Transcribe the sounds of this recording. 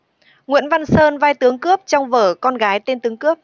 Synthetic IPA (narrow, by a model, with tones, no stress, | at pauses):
ŋwḭ˧˨ənva˧nsəː˧nvaː˧jt̪ɨ˨˦əŋkɨ˦˥əp̚t͡ɕɔ˧wŋ͡mvəː˧˩kɔ˧nɣaː˨˦jt̪e˧nt̪ɨ˨˦əŋkɨ˦˥əp̚